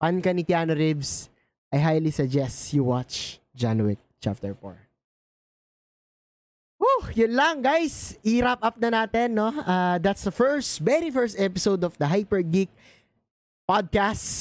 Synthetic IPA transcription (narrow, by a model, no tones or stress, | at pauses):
pankɐnit̪jaːnoɾibs | ʔajɦajlisɐd͡ʒɛst̪juwat͡ʃ | d͡ʒanwɪk̚t͡ʃa̰p̚t̪ɛɹfo̰ɹ | ojʊnlɐŋɡajsʔiɾapʔɐp̚nɐnaːt̪ɛnːoʔaːd̪at̪sd̪ɐfɛɹst̪vɛɾifɛɹst̪ɛpɪsowd̪ɔfd̪ɐɦajpɛɹɡik̚ | pad̪̚kast